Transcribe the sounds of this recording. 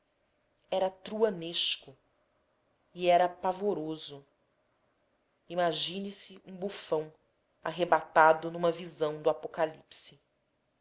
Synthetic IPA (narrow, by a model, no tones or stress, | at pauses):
ɛɾɐt̪ɾuɐneʃkʊ | iɛɾɐpavoɾozʊ | imaʒĩnisɪũbufɐ̃w̃ | a̰ɦebat̪ad̪ʊnũmɐvizɐ̃w̃d̪ʊapokalipsɪ